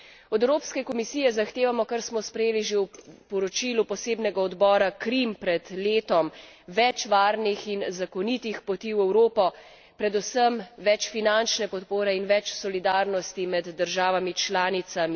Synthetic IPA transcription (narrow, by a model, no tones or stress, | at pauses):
ɔd̪ɛwɾoːpskɛkɔmisijɛzaxt̪eːʋamɔkaɾsmɔspɾɛjeːliʒewpɔɾɔt͡ʃiːlupɔseːbnɛɡaɔd̪bɔːɾakɾimpɾɛd̪leːt̪ɔmʋɛt͡ʃʋaːɾnixinzakɔnit̪ixpɔt̪iːwɛwɾoːpɔ | pɾɛd̪usəmʋɛt͡ʃfinant͡ʃnɛpɔt̪poːɾɛinʋɛt͡ʃsɔlid̪aːɾnɔst̪imɛd̪ːəɾʒaːʋamit͡ʃlaːnit̪sami